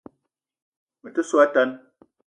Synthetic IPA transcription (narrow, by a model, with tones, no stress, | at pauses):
mə˨tə˦swa˦ta˦n